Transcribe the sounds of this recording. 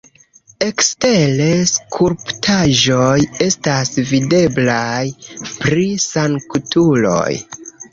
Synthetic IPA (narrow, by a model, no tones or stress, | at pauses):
e̞kste̞le̞skʰuɾptʰaʒoje̞stasvide̞blajpɾisaŋkutulo̞̰j